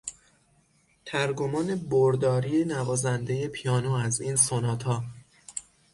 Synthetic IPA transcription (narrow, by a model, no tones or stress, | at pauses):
t̪ʰæɾɡomɒːne̞boɾd̪ɒːɾiːenævɒːzænd̪e̞je̞pʰijɒːnoːæziːnsonɒːt̪ʰhɒː